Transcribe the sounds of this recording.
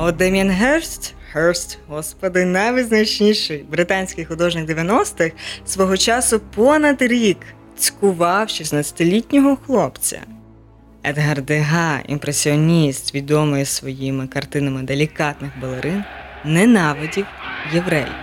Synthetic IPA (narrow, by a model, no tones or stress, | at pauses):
ɔd̪ɛmʲɐnɦɛɾst̪ | hɛɹst̪ɦɔspɔd̪ɪnɐjʋɨznɐt͡ʃnʲiʃɪjbɾɪt̪ɑnʲsʲkɪjxʊd̪ɔʒnɪɡd̪eʋʲjɐnɔst̪ɪxsʋɔɦɔt͡ʃɑsʊpɔnɐd̪ɾʲik | t͡sʲkʊʋɑwʃisnɐt͡sʲɐ̥t̪ɪlʲitʲnʲɔɦɔxlˠɔpt͡sʲɐ̰ | ɛd̪ɦɐrd̪eɦɑḭmpɾesʲiɔnʲist̪ʋʲid̪ɔmɪjɛsʋɔjimɪkɐrt̪ɪnɐmɪd̪elʲikɑt̪nɪxbɐlˠeɾʔɪnː | ɛnɑʋɔdʲiwjeʋɾɛ̰j